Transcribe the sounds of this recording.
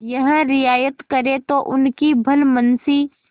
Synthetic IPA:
jɐɦə̃ɾɪjaːjət̪kɐɾẽt̪oʔʊnkibʱɐlmənsi

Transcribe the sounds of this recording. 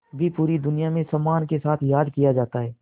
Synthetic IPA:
bʱipuːɾid̪ʊnijamẽsɐmːaːnkesaːt̪ʰjaːd̪kijad͡ʒaːt̪aɦɛː

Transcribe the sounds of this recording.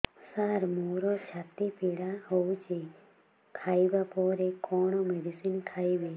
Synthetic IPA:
saɾmuɾot͡ʃʰat̪ipeɽaɦowt͡ʃʰe | kʰaibapɔɾekɔɳ̃omɛɖisinkʰaiʋe

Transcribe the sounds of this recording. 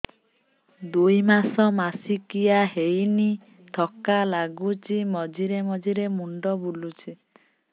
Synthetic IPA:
d̪ujmasɔmasikijaɦejni | t̪ʰɔkalaɡut͡ʃimɔd͡ʒiɾemɔd͡ʒiɾemuɳɖɔbulut͡ʃʰi

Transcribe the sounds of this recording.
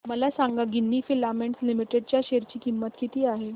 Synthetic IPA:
məlasãŋɡaɡinːiːfilameɳʈslimiʈeɖ̚t͡ɕjaɕeɾt͡ɕiːkimːət̪kit̪iːaɦe

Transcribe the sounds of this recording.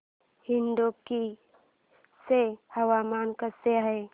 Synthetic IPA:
hɪnd̪oki | sehɐwamaːnkaseaɦe

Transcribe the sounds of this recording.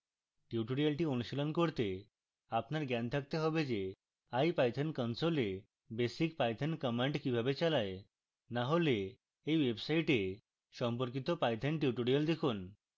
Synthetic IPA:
ʈjuʈoɽijalʈionuʃilɔnkoɾt̪e | apnaɾɡant̪ʰak̚t̪eɦɔbed͡ʑe | ajpajt̪ʰənkɔnsole | besikpajt̪ʰənkəmaɳʈkibʱabet͡ɕalae | naɦoleː | jwebsajʈe | ʃɔmpoɾkit̪opajt̪ʰenʈiuʈoɽijald̪ekʰun

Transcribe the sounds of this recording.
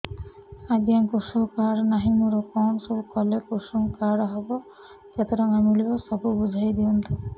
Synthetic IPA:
aɡjaŋkusukaɽnaɦimuɾɔkɔnsɔbukɔlekusuŋkaɽɦɔbɔ | d͡ʒet̪ɔɾɔŋamilibɔsɔbubud͡ʒʱajd̪iɔnt̪u

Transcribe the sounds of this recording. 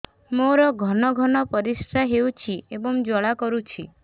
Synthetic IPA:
moɾɔɡʱɔnɔɡʱɔnɔpɔɾisɾaɦewt͡ʃʰiebɔŋd͡ʒɔɭakɔɾut͡ʃʰi

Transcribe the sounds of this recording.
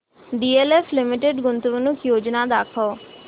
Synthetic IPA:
ɖiːeːleːfʰlɪmɪʈeɖɡʊnt̪ʋənʊkjoːd͡ʒnaːd̪aːkʰoː

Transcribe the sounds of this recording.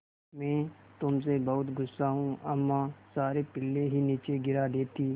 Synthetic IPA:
mɛ̃ːt̪ʊmsebɐɦʊt̪ɡʊsːaɦũɐmːãsaːɾepɪlːeɦiniːt͡ʃeɡɪɾad̪eːt̪iː

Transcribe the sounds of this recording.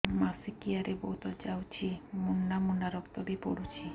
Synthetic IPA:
masikijaɾebot̪od͡ʒawt͡ɕʰimunːamunːaɾɔkt̪obipoɽut͡ɕʰi

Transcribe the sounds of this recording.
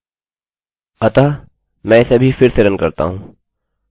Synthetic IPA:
ɐt̪aː | mɛ̃ːɪsebʱifɪɾseɾənkɐɾt̪a̰ɦũː

